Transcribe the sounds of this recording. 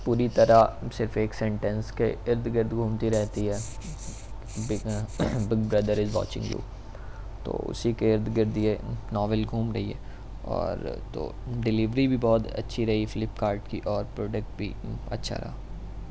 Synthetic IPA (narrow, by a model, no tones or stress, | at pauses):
puːɾit̪ɐɾasɪɾfeːksɛ̃ɳʈə̃nskeɪɾd̪ʱɡɪɾd̪ɡʱuːmt̪iɾɛɦt̪iɦɛː | bɪbɪɡ̚bɾɐd̪əɾɪzʋɔ̰ːt͡ʃɪ̰̃ŋɡjṵː | t̪o̰ːʊ̰sikeɪɾd̪ʱɡɪɾd̪ienɔːʋəlɡʱuːmɾɐɦiɦɛː | ɔ̰ːɾt̪o̰ːɖɪlɪʋɾibʱibɔːt̪ɐ̰tːʃʰiɾɐɦifɪlɪpkaːɾʈkiʔɔːɾpɾoːɖək̚ʈ̚bʱḭɐ̰tːʃʰa̰ɾɐ̰ɦa